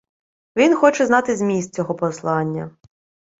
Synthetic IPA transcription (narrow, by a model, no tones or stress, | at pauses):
ʋʲinxɔt͡ʃɛznɑt̪ɪzʲmʲist̪̚t͡sʲɔɦɔpɔslˠɑnʲːɐ̰